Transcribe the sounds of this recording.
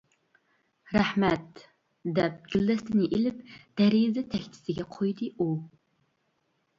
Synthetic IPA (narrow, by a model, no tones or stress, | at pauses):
ræħmɛt̪ | d̪ɛp̚ɡ̥ʲilːɛst̪ʰɪnɪʔilɪp̚d̪̥æɾizɨt̪ʰɛkʲt̪ʰɪ̥sɪɡʲɛqʰojd̪ɨu